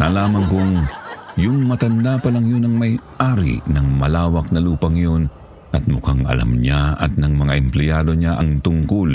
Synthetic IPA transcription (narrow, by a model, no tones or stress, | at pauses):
nalaːmɐŋkʊŋjʊŋmɐt̪ɐnd̪apɐlɐŋjonɐŋmɐjʔaːɾḭnɐŋmɐlaːwɐk̚nɐluːpɐŋjo̞n | ʔɐt̪̚mʊkaŋɐ̰la̰mɲaɐ̰t̪̚nɐŋmɐŋaʔɛmplɛjaːd̪o̞ɲaʔɐŋt̪ʊŋkol